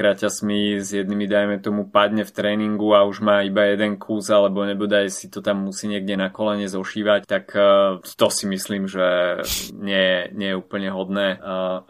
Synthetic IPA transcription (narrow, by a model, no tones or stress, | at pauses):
kɾacasmizjɛd̪nimid̪ajmɛt̪ɔmupad̪ɲɛft̪ɾɛːniŋɡuauʒmaːibajɛd̪ɛnkʰuːzalɛbɔɲɛbɔd̪ajsit̪ɔt̪amːusiːɲɪɛɡɟɛnakɔlɛɲɛzɔʃiːʋact̪akt̪ɔsimisliːmʒɛ | ɲɛjɛɲɪɛjɛupl̩ɲɛɦɔd̪nɛː